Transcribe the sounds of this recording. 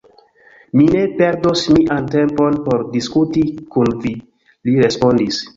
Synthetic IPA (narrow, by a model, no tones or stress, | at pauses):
mine̞pe̞ɾdosmiʔante̞mpo̞npo̞ɾdiskutikunvi | liɾe̞spo̞ndis